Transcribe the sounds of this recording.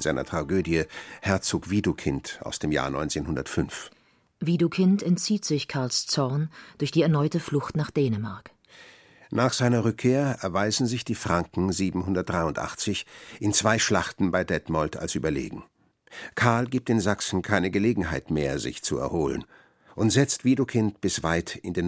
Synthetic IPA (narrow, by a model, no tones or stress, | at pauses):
zaɪnɐ̰tʁ̥aɡøːdjəhɛɐt͡soːkv̥iːdukʰɪntʔa̰ʊsd̥eːmja̰ːnɔ̰ʏnt͡seːnhʊndɐtfʏnf | viːdokʰɪntɛntt͡siːtz̥ɪçkʰaɐlst͡sɔɐnd̥ʊɐçd̥iːɛɐnɔʏtəflʊxtnaːχd̥eːnəmaɐk | naːχz̥aɪnɐʁʏkʰːeːɐɛɐvaɪzn̩zɪçd̥iːfʁ̥aŋkŋ̩ziːbm̩hʊndɐt̚d̥ʁaɪʊntʔa̰χt͡sɪçʔɪnt͡sv̥aɪʃlaχtn̩baɪdɛtmɔltʰa̰lsʔyːbɐlḛːɡŋ̩ | kʰaɐlɡiːp̚tɪnzaksn̩kʰaɪnəɡəleːɡŋ̩ɦaɪtmeːɐzɪ̰çt͡suɛ̰ɐhoːlə̰n | ʔʊntz̥ɛt͡stv̥iːdokʰɪntb̥ɪsv̥aɪtɪndeːn